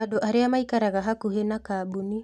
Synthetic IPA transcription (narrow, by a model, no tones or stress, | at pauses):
adoʔaɾeamaikaɾaɣaɦakuɦenakaːbuni